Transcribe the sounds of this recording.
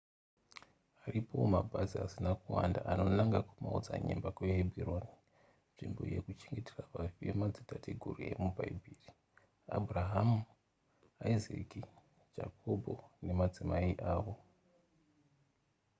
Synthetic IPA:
aripʰo̞mabʱaziasinakuwandaʔano̞naŋɡakumaud͡za̰ɲḛmbakweɦebʱironi | nʐimbo̞̰je̞kut͡ʃe̞ŋɡe̞terapafiemad͡zitatʰeɡʱurue̞̰mubʱaibʱiːri | a̰bʱuraɦamu | aizḛki | d͡ʒa̰kʰobʱo̞ne̞mad͡zimaiʔaːʋo̞

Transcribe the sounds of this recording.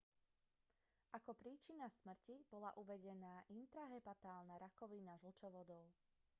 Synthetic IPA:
ʔakɔpɾiːt͡ʃinasmr̩cib̥ɔla̰ʔuʋɛɟɛnaːʔint̪ɾaɦɛpat̪aːlˠnaɾakɔʋinaʒl̩t͡ʃɔʋɔd̪ɔʊ

